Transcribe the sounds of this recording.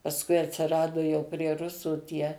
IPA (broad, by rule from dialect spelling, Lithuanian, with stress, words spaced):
pɐsˈkʊɪ ɐtʲsʲɪˈrɑːdʊ jɛʊ pʲrʲiɛ ˈrʊsuː ˈtʲiɛ